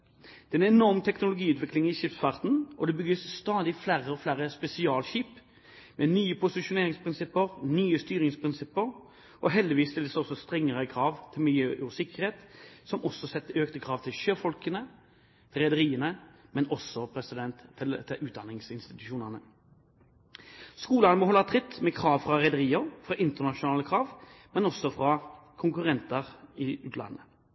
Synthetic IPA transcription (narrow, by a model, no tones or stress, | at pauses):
d̪̥ɛɛnɛnɔʁmt̪ʰɛknʊlʊɡiːʉːt̪ʋɪklɪŋɪʃɪpsfɑʁt̪n̩ɔd̪ɛbʏɡəsst̪ɑːd̪ɪflæːɾəɔflæːɾəspɛsɪɑːlɕiːp | mɛnyːəpʰʊsɪʃʊneːʁɪŋspʰʁɪnsɪpːəʁnyːəst̪yːʁɪŋspʰʁɪnsɪpːəʁ | ʔɔɦɛld̪ɪʋiːsːt̪ɪləsɔsɔst̪ɾɛŋːəʁəkʰɾɑːʋt̪ʰɪlmɪljøːʔsɪkːəɾheːt̪sɔmɔsːɔsɛt̪ːəøːkt̪əkʰɾɑːʋt̪ʰɪlʃøːfɔlkənə | t̪ʰɪlʁɛd̪əʁiːənəmɛnɔsɔpʰɾɛsɪd̪ɛnt̪ʰːɪʉːt̪̚d̪ɑnɪŋsɪnst̪ɪt̪ʉʃuːnəʁnə | skuːlɑnəmɔhɔlːɑt̪ʰʁɪt̪ːmɛkʰɾɑːʋfɾɑɾɛd̪əɾiːəʁfʁɑʔɪnt̪əʁnɑʂʊnɑːləkʰɾɑːʋmɛnɔsːɔfʁɑkʰʊŋkʉʁɛnt̪əʁɪʉːt̪ʰlɑ̰nːə